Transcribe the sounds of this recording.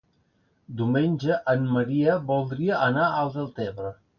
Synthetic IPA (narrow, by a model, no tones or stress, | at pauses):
d̪umenʲʒəʔəmːəɾiəbulˠd̪ɾiəʔːnaʔəlˠd̪əlˠt̪ɛβɾə